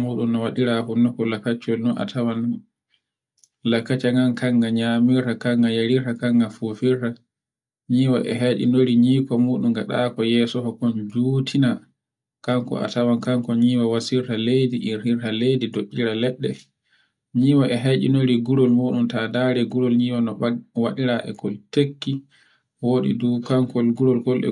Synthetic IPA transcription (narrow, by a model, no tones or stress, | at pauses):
muːɗumnawaɗiɾahunːɔkɔlakːat͡ʃɔlnɔna̰tʰawan | lakːat͡ʃaŋɡankʰaŋɡaɲamiɾtakaŋɡajaɾiɾtakaŋɡafufiɾta | ɲiːwa̰ʔɛ̰ɦajɗḭnoɾiɲiːkɔmuːɗumɡaɗa̰ːkɔjɛsɔhɔkɔnd͡ʒuːtʰina | kaŋkɔ̰a̰tawankaŋkɔɲiwawasiɾtalejdiʔiɾhiɾtalejdidoɗːiɾalɛɗːɛ | ɲiːwaʔɛɦajɗḭnoɾiɡuɾɔlmuɗumtadaɾɛɡuɾɔlɲiːwanɔwaɗiɾaʔɛ̰kɔltekːi | woːɗḭduːkaŋkɔlɡuɾɔlkɔlɛ̰